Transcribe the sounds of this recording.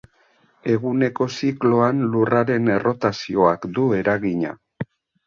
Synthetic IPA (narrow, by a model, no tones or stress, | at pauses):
e̞ɣune̞ko̞siklo̞anluraɾe̞ne̞ro̞t̪asio̞akd̪ue̞ɾaɣiɲa̰